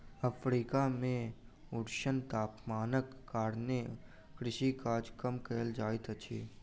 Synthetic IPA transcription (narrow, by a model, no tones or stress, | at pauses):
əpʰɾiːkamẽ | ʊɾʃənt̪aːpmaːnəkːaːɾne | kɾɪʃikaːd͡ʒkəmkeːld͡ʒaːit̪ət͡ʃʰḭː